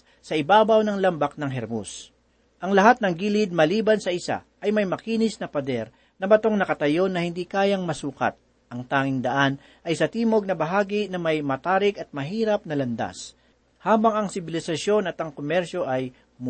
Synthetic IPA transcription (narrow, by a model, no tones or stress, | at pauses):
sɐʔɪbaːbɐwnɐŋlɐmbɐk̚nɐŋɦɛɾmo̰s | ʔɐŋlɐɦat̪̚nɐŋɡiːlɪd̪̚mɐliːbɐnsɐʔɪsa̰ʔɐjmɐjmɐkiːnɪsnɐpɐd̪ɛɾ | nɐbɐt̪o̞ŋnɐkɐt̪ɐjo̞nɐhɪnd̪iːkaːjɐŋmɐsuːkɐ̰t̪̚ | ʔɐŋt̪aːŋɪŋd̪ɐʔan | ʔɐjsɐt̪iːmo̞ɡ̚nɐbɐɦaːɡɪnɐmɐjmɐt̪aːɾɪkɐt̪̚mɐɦiːɾɐp̚nɐlɐnd̪a̰s | haːbɐŋɐŋsɪbɪlɪsɐʃjo̞nɐt̪ɐŋkomɛɾʃo̞ʔɐj | m